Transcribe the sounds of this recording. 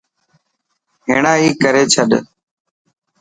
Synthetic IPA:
ɦeːɳaːiːkəɾeːt͡ʃʰəɗ

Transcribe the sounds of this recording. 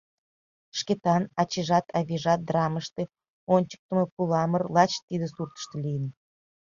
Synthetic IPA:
ʃket̪ɑnɑt͡ɕiʒɑt̪ʰɑβʲiʒɑt̪̚d̪rɑməʃt̪ĕ | onʲt͡ɕə̥k̚t̪ə̆məpulɑmərlˠɑt͡ɕt̪id̪əsurt̪ə̥ʃt̪ə̆lʲijən

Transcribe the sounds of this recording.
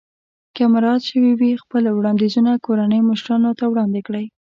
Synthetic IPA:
kamɾɑt̪ʃəwiwixpəlwɽɑnd̪izunakoɾanəjmʊʃɾɑnot̪awɽɑnd̪ɪkɽəj

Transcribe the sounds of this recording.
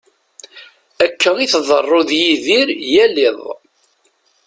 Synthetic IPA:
ækʰːəiθðˤərˤːoðjiðiɾjælɪðˤ

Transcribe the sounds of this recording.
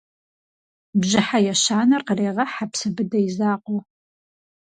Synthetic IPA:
bʒɪħajɛʃaːnɐrqəreːʁɐħapsɨbɨdɐjizaːqʷo

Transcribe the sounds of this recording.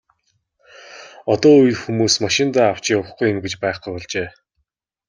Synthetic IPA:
ɔt̪ɔːɵj̆ɮxumuːsmaʃɪ̆nt̪aːaw̥t͡ɕɪːʊχɡuj̆mɡet͡ɕpaːχɡujpɔɮt͡ɕeː

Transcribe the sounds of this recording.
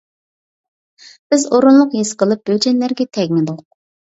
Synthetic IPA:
b̥ɪzoɾunlˠʊqɦesqəlˠɨp̚b̥ød͡ʒɛnlæɾɡʲɛt̪ʰɛɡʲmɪd̪ʊq̚

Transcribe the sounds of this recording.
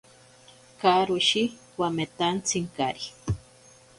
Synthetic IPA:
kaɾuʃi | wamet̪ant͡sʰiŋkaɾi

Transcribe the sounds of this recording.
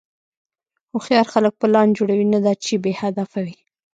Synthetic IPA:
oxjɑɾxalək̚pəlɑnd͡ʒoɽawinad̪at͡ʃebehad̪afawi

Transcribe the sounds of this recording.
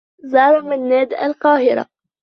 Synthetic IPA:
zɑːɾˤmɪnːaːd̪a̰lqɑːɦɪɾa̰

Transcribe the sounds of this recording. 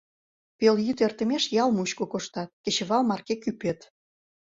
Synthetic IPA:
peljyt̪ert̪ə̆meʃjɑlmut͡ɕkokoʃt̪ɑt̪̚ket͡ɕə̆βɑlmɑrkekypet̪

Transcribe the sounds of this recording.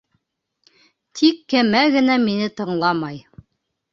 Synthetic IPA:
t̪ʰikːæmæɣɘ̆næminɘt̪ɤ̆ɴlˠɑmɑj

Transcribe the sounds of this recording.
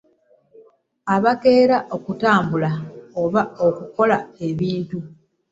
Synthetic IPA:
aβake̞ːɾaʔo̞kutaːmbulaoβaokuko̞lae̞βiːntu

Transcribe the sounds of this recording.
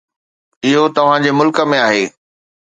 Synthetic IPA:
ɪɦot̪ɐʋ̤ãd͡ʑemʊlkə̆mẽaːɦeː

